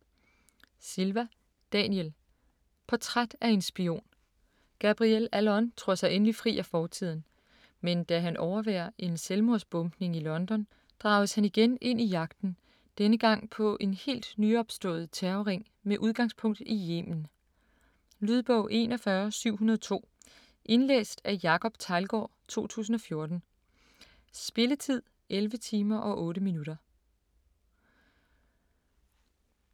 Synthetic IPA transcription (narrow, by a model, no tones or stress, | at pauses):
silʋæ | d̥ɛniel | pʰɒ̽t͡sʰʁad̥æe̝nsb̥io̝̰ːn | ɡ̥æb̥ʁielælɒ̽nt͡sʰʁɔɐ̰sɑ̈ɪʔenəlifʁḭːʔæfɒːt͡sʰið̞̰ˠn̩ | mend̥æɦænʔɒʊɐʋæːɐʔe̝nselmo̝ɐsb̥ɔ̽mb̥ne̝ŋilɒ̽nd̥ɒ̽n | d̥ʁɑ̈ʊðəshæniɡ̥ene̝n̰ijɑ̈ɡ̥d̥n̩ | d̥enəɡ̥ɑ̈ŋ̰pʰɒ̽ʔe̝nhe̝̰ːld̥nyɒ̽b̥sd̥ɔ̰̽ːð̩ˠt͡sʰæːʊʁeŋ̰ | meʔuðˠɡ̥ɑ̈ŋspʰɔ̽ŋ̰d̥ije̝̰ːmn̩ | lyð̞ˠb̥ɔʊ̰ʔe̝ːnɒ̽fɶɐsyʊ̰ɦunɐðˠt͡sʰo̝̰ː | ʔe̝nlḛːsd̥æjɑ̈kʰɒ̽b̥t͡sʰɑ̈ɪlɡ̥ɒ̰ːt͡sʰo̝̰ːt͡sʰṵːsn̩ɒ̽fjo̝ɐd̥n̩ | sb̥e̝lət͡sʰið̰ˠ | ʔelʋət͡sʰiːmɐʔɒ̽ʔɔ̽ːɾəminuɾ̥ɐ